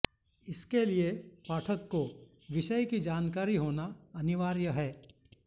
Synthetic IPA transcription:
ɪskeliepaːʈʰəkːo | ʋɪʃəjkid͡ʒaːnkaːɾiɦoːnaɐnɪʋaːɾjəɦɛː

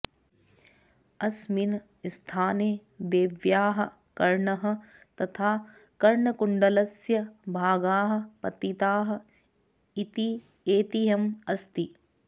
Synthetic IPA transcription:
ɐsmin | st̪ʰaːneːd̪eːʋjaːɦɐ̆ | kɐɾɳɐɦɐ̆t̪ɐt̪ʰaː | kɐɾɳɐkuɳɖɐlɐsjɐbʱaːɡaːɦɐ̆pɐt̪it̪aːɦɐ̆ | it̪i | eːt̪iɦɐmɐst̪i

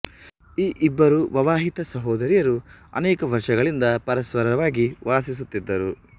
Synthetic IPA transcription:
iːʔibːɐɾuʋɐʋaːɦit̪ɐsɐɦɔːd̪ɐɾijɐɾuɐ̰nɛːkɐʋɐɾʂɐɡɐɭind̪ɐpɐɾɐsʋɐɾɐʋaːɡiʋaːsis̬ut̪ːid̪ːɐɾu

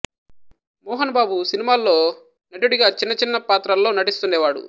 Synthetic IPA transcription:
mɔːɦɐnɐbaːbusinimaːlːo̞ː | nɐʈuɽiɡaːt͡ʃinːɐt͡ʃinːɐpaːt̪ɾɐlːo̞ːnɐʈist̪unːɛːʋaːɽṵ

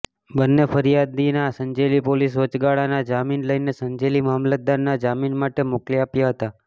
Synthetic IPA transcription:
bənːefəɾijad̪inasəɲd͡ʒelipolis̬ʋət͡ʃɡaɭanad͡ʒaminləjnesəɲd͡ʒelimamlət̪̚d̪anːad͡ʒaminmaʈemʊkliapjaɦət̪a

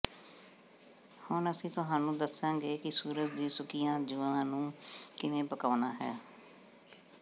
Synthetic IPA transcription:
hʊnəsĩːt̪ʊɦãːnũːd̪əsãːɡeːkɪsuːɾət̪d̪iːsʊkijãːd͡ʒʊʋãːnũːkɪnẽːpəkaːnaːɦɛ̰ː

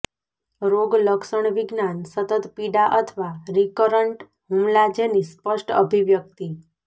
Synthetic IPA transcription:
ɾoɡləkʃəɳ̃ʋiɡnansət̪ət̪piɖaʔət̪ʰʋaɾikəɾəɳʈ | ɦumlad͡ʒenispəʂʈə̰bʱiʋjək̚t̪i

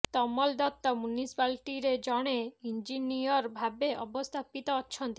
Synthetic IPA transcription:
t̪ɔmɔld̪ɔt̪ːɔmunisi̥palʈiɾed͡ʑɔɽ̃eind͡ʑinijɔɾbʱabeʔɔbost̪ʰapit̪ɔɔtːʃʰɔnt̪i

